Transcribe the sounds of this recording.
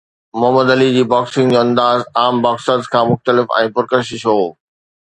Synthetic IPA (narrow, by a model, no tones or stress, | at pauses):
mʊɦməd̪əlid͡ʑiːbaːksɪ̃ŋɡd͡ʑoːɐ̃nd̪aːzaːmbaːksəzkʰãːmʊxt̪əlɪfɛ̰̃ːpɐɾkəɾʃɪʃɦoː